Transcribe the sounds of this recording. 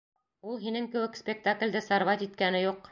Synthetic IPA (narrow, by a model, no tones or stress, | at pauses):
ulˠɦinɘŋkɘ̆wɘkspʲek̚t̪aklʲd̪ɘsɑɾvɑt̪it̪kænɘjuq